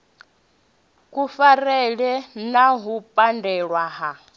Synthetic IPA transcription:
kʼufarɛɺɛnaɦupʼandɛɺwaɦa

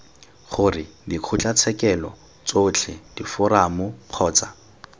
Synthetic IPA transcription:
χʊrɪdiq͡χʰʊt͡ɬʼat͡sʰɛkɛlɔ | t͡sot͡ɬʰɪd̥ifʊramʊq͡χʰɔːt͡sa

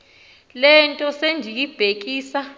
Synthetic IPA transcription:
lɛntʼɔsend͡ʒʱijib̥ʱek̬ʼiːsa

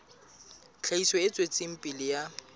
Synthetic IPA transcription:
t͡ɬʰaisɔet͡sʼwet͡sʼɪm̩pʼilɪja

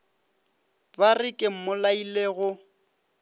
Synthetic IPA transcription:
barɪkʼɪm̩mʊlaileɣʊ

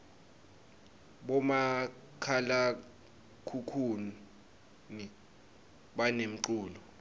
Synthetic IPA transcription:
ɓɔma | kʰala | kʰukʰun | ni | ɓanem̩ǀuːlɔ

